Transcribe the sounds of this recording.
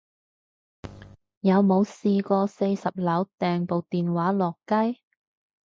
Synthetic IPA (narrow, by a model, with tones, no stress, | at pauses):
jɐ˨˧wmo˨˧wsiː˧kɔː˧se˧jsɐ˨p̚lɐ˨˥wt̪ɛː˨˩ŋpo˨wt̪iː˨˩nwaː˨˥lɔː˨kːɐ˥j